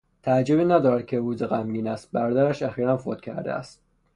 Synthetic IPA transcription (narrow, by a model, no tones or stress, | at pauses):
t̪ʰææd͡ʒːoβiːnæd̪ɒːɾæt̪̚kʲʰeɾuːzeɣæmɡiːnæst̪̚bæɾɒːd̪æɾæʃæxiːɾænfot̪̚cʰæɾd̪ḛæ̰st̪̚